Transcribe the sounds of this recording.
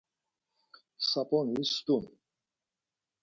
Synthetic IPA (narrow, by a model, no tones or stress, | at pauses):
sapʼɔnist̪un